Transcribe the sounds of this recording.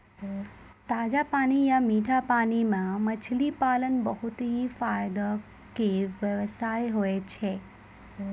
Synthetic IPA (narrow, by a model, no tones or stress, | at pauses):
t̪aːd͡ʑapaːñijamiːʈʰapaːñimãmɐt͡ɕʰlipaːlənbəɦʊt̪ɦifaːjd̪ə | keʋjɐʋsaːjɦoet͡ʃʰeː